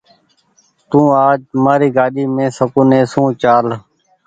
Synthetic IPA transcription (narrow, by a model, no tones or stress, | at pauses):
t̪ũːaːd͡ʒmaːɾiːɡaːɗiːmẽːsəkũːnẽːsũːt͡ʃaːl